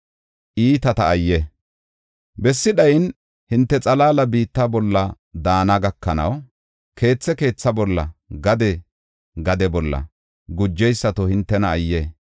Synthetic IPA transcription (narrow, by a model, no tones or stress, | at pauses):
ʔiːt̪ɐt̪ɐːjːɛ | bɛsːɪɗɐjn | hɪnt̪ːɛt͡sʼɐlaːlɐbiːt̪ːɐbɔlːɐ | d̪aːnɐɡɐkːɐnɐ̰w | kʰe̞ːt͡sːɛke̞ːt͡sːɐbɔlːɐ̰ɡɐd̪ɛ | ɡɐd̪ɛbɔlːɐ̰ | ɡʊd͡ʒːɛjsːɐt̪ɔhɪnt̪ːɛnɐːjːe